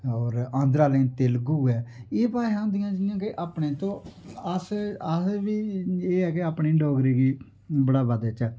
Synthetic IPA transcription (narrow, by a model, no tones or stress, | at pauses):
ɔːɾãːnd̪ɾaːlẽːt̪eːlɡuːɛːeːpaːɦãːnd̪ɪjãːd͡ʒɪjãːkɪʔaːpɳeːt̪õːəsəsʋiːeːɛːkeaːpɳiːɖoːɡɾiːɡiː | bəɽaːʋəd̪et͡ʃɛː